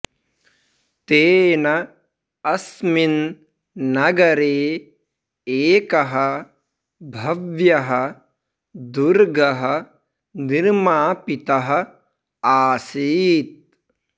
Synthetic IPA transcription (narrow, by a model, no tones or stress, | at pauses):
t̪eːnɐ | ɐsminː | ɐɡɐɾeː | eːkɐɦɐ | bʱɐʋjɐɦɐ̆ | d̪uɾɡɐɦɐ̆ | niɾmaːpit̪ɐɦɐ̆ | aːsiːt̪̚